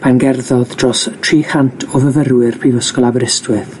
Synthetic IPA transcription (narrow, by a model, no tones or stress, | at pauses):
pʰanɡɛrðɔðd̥rɔstʰriːhantʰɔvəvəɾwɪrpʰivəskɔlˠabəɾɪstwɨð